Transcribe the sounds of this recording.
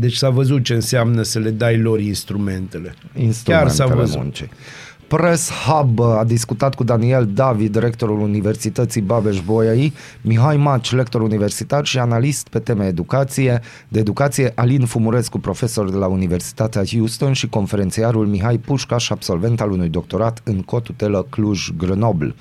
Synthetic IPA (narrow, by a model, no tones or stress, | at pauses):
d̪e̞t͡ʃʲsavəzut̪̚t͡ʃe̞ɨnseamnəsəle̞d̪ajlo̞ɾinst̪ɾume̞nt̪ele̞ḭnst̪ɾua̰nsaḛvəzṵnt͡ʃḛj | pɾeshabad̪iskut̪at̪kud̪anie̞ld̪avid̪ːiɾe̞k̚t̪o̞ɾulunive̞rsit̪ət̪sibabeʃboei | miɦajmat͡ʃle̞kt̪o̞ɾunive̞rsit̪arʃianalist̪pe̞t̪e̞meaed̪ukat̪sije̞ | d̪e̞ːd̪ukat̪sije̞ʔalinfumuɾe̞skupɾo̞fe̞so̞rd̪elaunive̞rsi̥t̪at̪eahjust̪o̞nʃiko̞nfe̞ɾent̪siaɾulmiɦajpuʃkaʃab̥so̞lve̞nt̪alunujd̪o̞k̚t̪o̞ɾat̪ɨŋko̞t̪ut̪e̞ləkluʒɡɾəno̞bl